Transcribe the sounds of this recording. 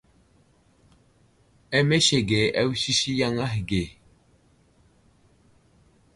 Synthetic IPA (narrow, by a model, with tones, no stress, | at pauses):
ɛ˦me˦ʃe˨ɡe˨ʔɛ˦wsi˦ʃi˦ja˦ŋa˦hɡe˨